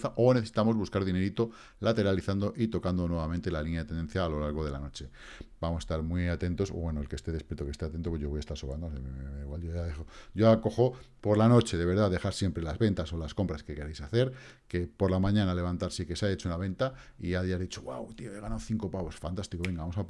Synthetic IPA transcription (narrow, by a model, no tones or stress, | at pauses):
θaʔo̞neθesit̪amo̞zβuskaɾðine̞ɾit̪o | lat̪e̞ɾaliθand̪o̞ʔit̪o̞kand̪o̞nweβamẽnt̪e̞lalinjaðet̪end̪enθjaːlo̞laɾɣo̞ðe̞la̰no̞t͡ʃe̞ | bamsest̪aɾmwiat̪e̞nt̪o̞so̰βwe̞noelke̞st̪e̞ðe̞spje̞ɾt̪oke̞st̪eat̪e̞nt̪opw̞ʝo̞βjast̪aɾsoβand̪oseeeiɣwaljoaðexoɟ͡ʝoako̞xo̞ | po̞ɾlano̞t͡ʃe̞ðe̞β̞e̞ɾðaðe̞xaɾsje̞mpɾe̞lazβe̞nt̪aso̞lasko̞mpɾaske̞ke̞ɾejsaθe̞ɾke̞po̞ɾlamãɲãnale̞βant̪aɾsekesaet͡ʃounaβ̞ẽ̞nt̪aiʝaðjaɾðit͡ʃoɣwawt̪ioeɣ̞anawθiŋko̞paɣosfant̪ast̪ikoe̞ŋɡaβamosa